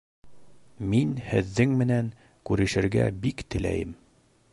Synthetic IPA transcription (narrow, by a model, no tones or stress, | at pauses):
minhɘ̆ðːɘŋmɘ̆næŋ | kʉɾɘ̆ʃɘ̆ɾɡæ̰bikt̪ɘ̆læ̰jɘm